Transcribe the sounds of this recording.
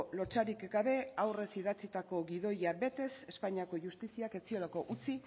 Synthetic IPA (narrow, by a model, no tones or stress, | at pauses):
lo̞t͡ʃaɾikɡaβe̞awre̞siðat͡sit̪ako̞ɡiðo̞jabe̞t̪e̞se̞spaɲiako̞ʝust̪isiake̞t͡sio̞lako̞ʔut͡si